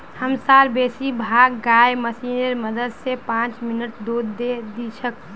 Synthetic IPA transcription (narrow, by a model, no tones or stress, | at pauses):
həmsaːɾbeːsibʱaːɡɡaːjməsiːnəɾməd̪əd̪sepãːt͡ʃmɪnəʈ̚d̪oːd̪ːed̪it͡ʃʰək̚